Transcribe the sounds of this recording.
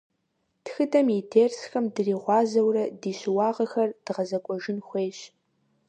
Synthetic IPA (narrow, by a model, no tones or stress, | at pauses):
txɨdɐmjidʰeːrsxɐmdɨriːʁʷɑːzɐwrɐdiːɕwɑːʁɐxɐrd̥ɨʁɐzɐkʷʼɔʒɪnxʷeːɕ